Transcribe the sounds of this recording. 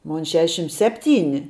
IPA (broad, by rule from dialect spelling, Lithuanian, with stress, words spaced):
ˈmoːn ˈʃʲæːʃʲɪm ˈsʲæːpʲˌtʲiːnʲɪ